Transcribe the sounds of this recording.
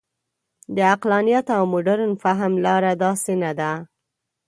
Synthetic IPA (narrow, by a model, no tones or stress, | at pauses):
d̪əaqlɑnijat̪awmʊɖaɾnfaɦmlɑɾad̪ɑsenad̪a